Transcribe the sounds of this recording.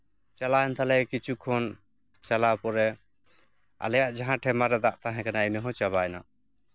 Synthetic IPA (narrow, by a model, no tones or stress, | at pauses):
t͡ʃalaɛnt̪alɛkit͡ʃʰukʰɔn | t͡ʃalapɔɾɛ | a̰lɛjaʔd͡ʒaɦãʈʰɛmaɾɛd̪aʔt̪aɦɛ̃kanainəɦɔ̃t͡ʃaβajna